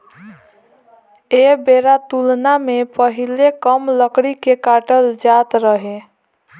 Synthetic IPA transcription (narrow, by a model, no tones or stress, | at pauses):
ebeːɾat̪ulnamẽpəɦilekəmləkɽikekaːʈəld͡ʒaːt̪ɾəɦe